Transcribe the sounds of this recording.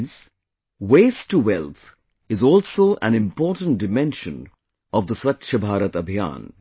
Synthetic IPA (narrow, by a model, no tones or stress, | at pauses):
ns | weːsʈːuwɛlt̪ʰ | ɪzɔːlsoːʔæ̰̃nɪ̃mpɔːɾʈə̃nʈ̚ɖɪmɛ̃nʃə̃n | ɔʋd̪əswʌtʃəbʱaːɾət̪əbʱijã̰ːn